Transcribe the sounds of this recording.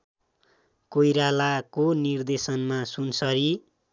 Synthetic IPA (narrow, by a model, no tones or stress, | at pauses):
kojɾalakonird̪esʌnmasunsʌɾi